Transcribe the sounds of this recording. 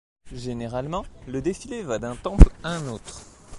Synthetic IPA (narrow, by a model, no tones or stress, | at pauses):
ʒeneʁalmɑ̃ləd̪efilevad̪ɛ̃t̪ɑ̃plaɛ̃noːt̪χ